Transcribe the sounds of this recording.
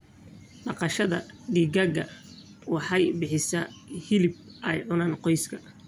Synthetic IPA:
ɖɑqɑʃɐðɐɖiːɡɐɡɐ | wɑħɑjbɪħɪsɐhɪlɪb̚ɛjʕʊnaːnqɔjskʰɐ

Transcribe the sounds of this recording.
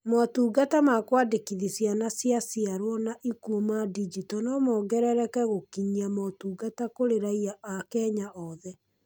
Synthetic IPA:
matuːɡatamakwadekiðisjanasjasiaɾwɔnaʔikuomadid͡ʒitɔnɔmɔːɡɛɾɛɾɛkɛɣokiɲiamɔtuːɡatakoɾeɾaiaakɛɲaʔɔðɛ

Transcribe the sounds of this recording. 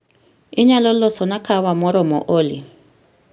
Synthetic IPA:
iɲalɔlːɔsɔnakʰawamɔɾɔmɔ̰ʔoli

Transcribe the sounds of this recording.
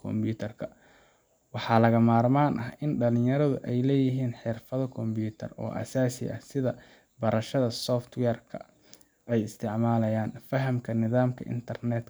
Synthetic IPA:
kʰɔmbuːt̪ʰɐrkʰɐ | wɑħɑːlɐɣɐmaːrmaːnʔɐhɪnɖɐlɪ̃jɐɾɐðʊʔɛjlɛːjɪɦiːnħɪrfɐðɔkʰɔmbuːt̪ʰɐ̰rɔ̰ːʔɐ̰saːsɪ̰ʔɐ̰hsɪðɐ | bɐɾɐʃɐðɐsɔːft̪wɛːrkʰɐ̰ | ʔɛjɪst̪ʰɪʕmaːlɐjaːnfɐɦɐmkʰɐnɪðaːmkʰɐʔɪ̰nt̪ʰɐrnɛd̪

